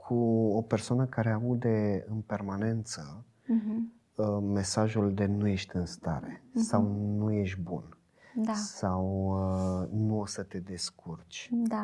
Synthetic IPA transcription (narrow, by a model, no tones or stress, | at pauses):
kʰuo̞pe̞rsoanəkaɾe̞aud̪e̞ɨnpe̞rmane̞nt̪sə | me̞saʒuld̪e̞nuje̞ʃt̪ʲɨnst̪a̰ɾe̞sawnuje̞ʃ̚ʲbṵn | d̪asawənuo̞sət̪e̞d̪e̞skurt͡ʃʲd̪a